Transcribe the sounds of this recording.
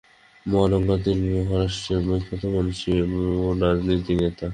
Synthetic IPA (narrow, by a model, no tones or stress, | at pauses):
moaloŋɡat̪iɾbɾuɦaɾaʃʈɾeɾmojkʰːot̪omanuʃioɾad͡ʑnit̪inet̪a